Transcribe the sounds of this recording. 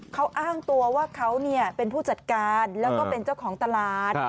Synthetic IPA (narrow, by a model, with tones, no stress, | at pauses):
kʰa˦˥wʔaː˥˩ŋt̪u˧ɐwaː˥˩kʰa˦˥wni˥˩ɐpe˧npʰuː˥˩t͡ɕa˨˩t̪̚kaː˧nlɛː˦˥wkɔː˥˩pe˧nt͡ɕa˥˩wkʰɔː˩˦ŋt̪a˧laː˨˩t̪̚